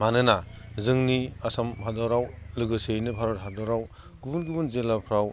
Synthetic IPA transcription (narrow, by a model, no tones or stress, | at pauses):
manɯnazɯŋniasambʰadɔɾawlɯɡɯsejnɯbʰʱaɾɔtɦadɔɾaw | ɡ̥unɡibunzelapʰɾaw